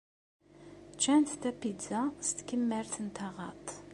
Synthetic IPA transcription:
t͡ʃænt̪t̪æpizɑst̪kʲəmːæɾt̪ʰənt̪ʰɑʁɑ̰t̪ˤ

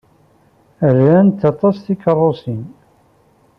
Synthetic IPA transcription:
əɾænt̪ːɑt̪ˤɑsθikərˤːosin

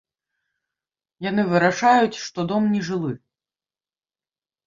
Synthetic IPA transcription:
janɨvɨɾaʂajut͡sʲʂt̪ɔd̪ɔmnʲɛʐɨlˠɨ

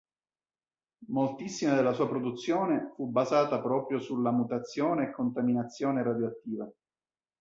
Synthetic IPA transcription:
molt̪isːimad̪elːasuːapɾod̪ut̪sːjoːnefubazaːt̪apɾɔːpɾjosulamut̪at̪sːjoːneːkʰːont̪aminat̪sːjoːneɾad̪joat̪ːiːva

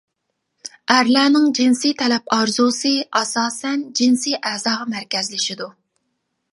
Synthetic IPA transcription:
æɾlɛːnɪŋd͡ʒinsijt̪ʰɛlɛpʰɑɾzusɨɑsɑːsɛnd͡ʒinsijʔæːzɑːʁɑmæɾkʲɛzlɪʃid̪u

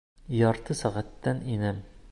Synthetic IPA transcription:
jɒɾt̪ɤsæʁæt̪ːæninɘm

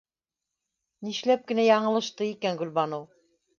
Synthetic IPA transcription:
niʃlæp̚kɘ̆næjɑɴɤ̆lˠɤ̆ʃt̪ɤikænɡɵ̆lβɑnow

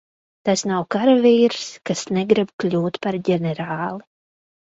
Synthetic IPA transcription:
t̪asnawkaɾaviːɾskasnɛɡɾibklʲuːt̪paɾɟɛnɛɾaːlˠi

